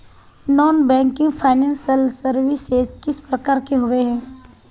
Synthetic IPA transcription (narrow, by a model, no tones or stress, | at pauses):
nɔːnbɛ̃ːŋkɪ̃ŋɡpʰaːɪnɛ̃ːnsəlsəɾʋɪsekɪspɾɐkaːɾkeɦʊʋeɦɛ̃ː